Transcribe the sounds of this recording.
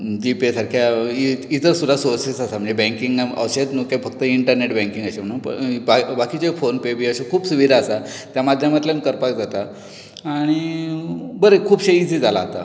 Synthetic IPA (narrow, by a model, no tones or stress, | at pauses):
d͡ʑipesaɾkʰjaiit̪əɾsud̪asoɾsisasam̤əɳd͡zebɛ̃ŋkiŋɡə̰ʋɕet̪nukefək̚t̪əiɳʈəɾneʈbɛ̃ŋkiŋɡəɕeñũpə̰babakiːt͡ɕefonpebiəɕekʰuːbsuʋiɾaːsat̪jamad̪ʱjamat̪ljankəɾpakd͡zat̪a | aɽ̃i | bəɾekʰuːbɕeid͡zid͡zalaɦt̪a̰